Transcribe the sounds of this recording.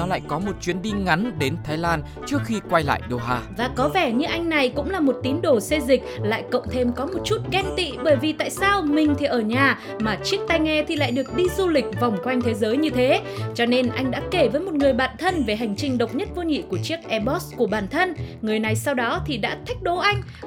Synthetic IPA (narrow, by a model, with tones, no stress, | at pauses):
nɔ˨˦la̰ː˧˨jkɔ˨˦mo˨˩t̚t͡ɕwi˨˦ənɗi˧ŋa˨˦nɗe˨˦nt̪ʰaː˨˦jlaː˧n | t͡ɕɨ˦˥ək̚xi˧kwa˧jla̰ː˧˨jɗo˧˩ɦaː˧vaː˨˩kɔ˨˦vɛ˧˩ɲɨ˧ʔa˧jŋ̟na˨˩jkʊ̰˧˥ŋ͡mlaː˨˩mo˨˩t̚t̪i˨˦ənɗo˧˩se˧zï˨˩k̟̚la̰ː˧˨jkə̰˧˨wŋ͡mt̪ʰe˧mkɔ˨˦mo˨˩t̚t͡ɕu˦˥t̚ɣɛ˧nt̪ḭ˧˨ɓəː˧˩jvi˨˩t̪a̰ː˧˨jsaː˧wmï˨˩ŋ̟t̪ʰi˨˩ʔəː˧˩ɲaː˨˩ | maː˨˩t͡ɕi˦˥ək̚t̪a˧jŋɛ˧t̪ʰi˨˩la̰ː˧˨jɗɨ˨˩ək̚ɗi˧zu˧lï˨˩k̟̚va˨˩wŋ͡mkwa˧jŋ̟t̪ʰe˨˦zəː˨˦jɲɨ˧t̪ʰe˨˦t͡ɕɔ˧ne˧nʔa˧jŋ̟ɗa̰ː˧˥ke˧˩vəː˨˦jmo˨˩t̚ŋɨ˨˩əjɓaː˧˩nt̪ʰə˧nve˨˩ɦa˨˩jŋ̟t͡ɕï˧˩ŋ̟ɗə̰˨wk͡p̚ɲə˦˥t̚vo˧ŋḭ˧˨ku˧˩ət͡ɕi˦˥ək̚ʔɛ˧ɓɔ˦˥sku˧˩əɓaː˧˩nt̪ʰə˧nŋɨ˨˩əjna˨˩jsa˧wɗɔ˨˦t̪ʰi˨˩ɗa̰ː˧˥t̪ʰi˦˥jk̟̚ɗo˨˦ʔa˧jŋ̟